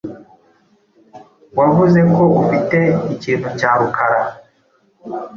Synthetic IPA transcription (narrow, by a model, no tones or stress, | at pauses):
waβuze̞koʔufiteiciːn̤ucaːɾukʰaɾa